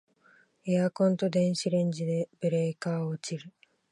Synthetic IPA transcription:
eakõ̞nt̪o̞d̪ẽ̞ɰ̃ɕiɾẽ̞ɲd͡ʑid̪e̞b̥ɯɾekaːoːt͡ɕiɾɯ

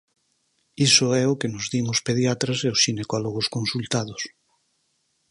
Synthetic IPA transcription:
isoɛʊkenozðimospeðjat̪ɾaseosʃinekɔloɣ̞oskõnsult̪aðʊs

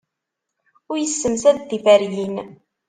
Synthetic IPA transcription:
ʊɾjəsːəmsæd̪θifæɾjin

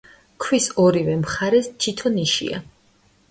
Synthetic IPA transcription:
kʰwisɔɾivɛmχaɾɛst̪ʰit̪ʰɔniʃḭa̰

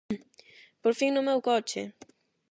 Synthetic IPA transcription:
poɾfiŋnʊmewkɔt͡ʃɪ̰

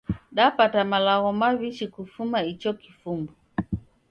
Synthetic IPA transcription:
ɗapatamalaɣɔmaviʃikufumait͡ʃɔkifumbɔ

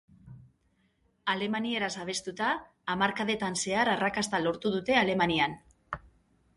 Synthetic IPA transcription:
ale̞manie̞ɾasaβ̞e̞st̪ut̪aː | maɾkaðe̞t̪anse̞aɾarakast̪alo̞ɾt̪uðut̪e̞ale̞manian

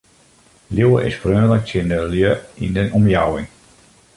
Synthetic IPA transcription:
ljowəʔɪ̰sfrøːlək̚tɪndəljøḭndənʔɔmjawɪŋ

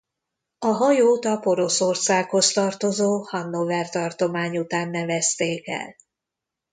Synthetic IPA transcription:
ɒɦɒjoːt̪ɒpo̞ɾo̞so̞rsaːkho̞st̪ɒrt̪o̞zoːhɒnːovɛrt̪ɒrt̪o̞maːɲut̪aːnːɛvɛst̪eːkɛ̰l

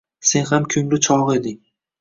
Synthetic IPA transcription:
se̞nhamkʲʰʊŋlɪt͡ʃʰɒʁe̞d̪ɪ

